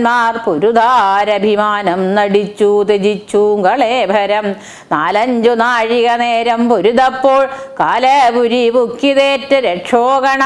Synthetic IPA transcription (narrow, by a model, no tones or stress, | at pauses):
maːrpoɾud̪aːɾɐbʱimaːnɐmnɐɽit͡ɕːut̪ed͡ʑit͡ɕːuɡɐɭeːbʱɐɾɐm | naːlɐɲd͡ʑunaːɻiɣɐneːɾɐmpoɾud̪ɐpːoːɭkaːlɐbuɾibukːiðeːʈːɨɾeʈʂoːɣɐɳɐ